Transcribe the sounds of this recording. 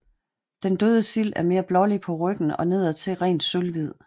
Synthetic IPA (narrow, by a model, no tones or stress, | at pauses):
d̥end̥øːð̞ˠəsil̰æɐme̝ːɐb̥lɒ̽lipʰɒ̽ʁœɡ̥n̩ɒ̽ne̝ðˠɐt͡sʰe̝ʁɛ̰ːn̥sølʋið̞̰ˠ